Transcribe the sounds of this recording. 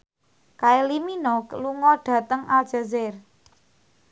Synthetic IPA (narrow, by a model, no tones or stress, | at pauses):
kaeliminɔkluŋɔɖ̥ä̤t̪əŋʔalʒ̥a̤zɪr